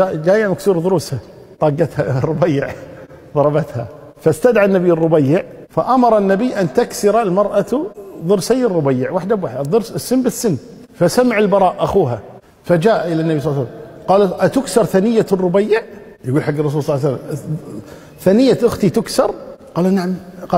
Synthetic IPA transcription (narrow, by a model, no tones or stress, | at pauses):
ad͡ʒaːjːamaksuːɾðˤɨɾuːsha | t̪ˤɑːɡːat̪harˤːʊbajːɪʕ | ðˤɑɾˤɑbat̪ha̰ | fast̪ad̪ʕanːabjːɪrˤːʊbajːɪʕ | faʔamɑɾˤɑnːabijʔant̪aksɪɾalmɑɾˤʔat̪ðˤɨɾsajːɪrˤːʊbajːɪʕwaħd̪abwaːħd̪aðˤɨɾsɪsːɪnːbɪsːɪnː | fasamʕɪlbɑɾˤɑːʔʔaxuːɦa | fad͡ʒaːʔʔɪlanːabisˤɑlːsalːamqɑːlʔat̪ʊksɑɾˤθanɪjːarˤːʊbajːɪʕ | jɡuːlħaɡːrˤːɑs̬uːlsˤɑlːʕasalːam | θaːnɪjːaʔʊxt̪it̪ʊksɑɾˤqɑːlnaʕamqɑ